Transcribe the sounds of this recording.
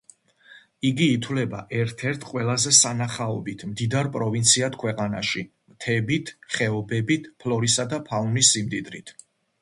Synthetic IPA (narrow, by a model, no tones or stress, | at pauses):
iɡiːt̪ʰwlɛbaʔɛɾt̪ʰɛɾt̪ʰqʼwɛlˠazɛsanaχaɔbit̪ʰmd̪id̪aɾpʼɾɔvint̪sʰiat̪ʰkʰwɛqʼana̰ʃi | mt̪ʰɛbit̪ʰχɛɔbɛbit̪ʰpʰlɔɾisad̪apʰaunisːimd̪id̪ɾit̪ʰ